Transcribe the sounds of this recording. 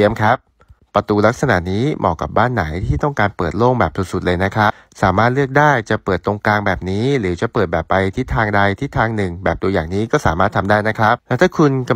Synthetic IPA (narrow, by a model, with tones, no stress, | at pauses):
i˧əmkʰa˦˥p̚ | pːɾa˧t̪uː˧la˦˥k̚sa˧na̰˨˩ʔniː˦˥mʔɔ̰ː˨˩kːa̰˨˩p̚baː˥˩nːa˩˦jt̪ʰiː˥˩t̪ɔ˥˩ŋkaː˧npɤː˨˩t̪̚loː˥˩ŋbɛː˨˩p̚su˨˧˩su˨˩t̪̚lɤː˧jna˦˥kʰɾa˦˥ | saː˩˦maː˥˩t̪̚lɯ˥˩ək̚daː˥˩jt͡ɕa˨˩pɤː˨˩t̪ːo˧ŋklaː˧ŋbɛː˨˩p̚niː˦˥ɾɯː˩˦t͡ɕa˨˩pɤː˨˩t̪̚bɛː˨˩pːa˧jt̪ʰiː˦˥t̪ʰaː˧ŋda˧jt̪ʰiː˦˥˩t̪ʰaː˧ŋnɯ˨˩ŋbɛː˨˩p̚t̪u˧əjaː˨˩ŋniː˦˥kɔː˥˩saː˩˦maː˥˩t̪ʰa˧mdaː˥˩jna˦˥kʰɾa˦˥p̚lɛː˦˥wt̪ʰaː˥˩kʰu˧nka˧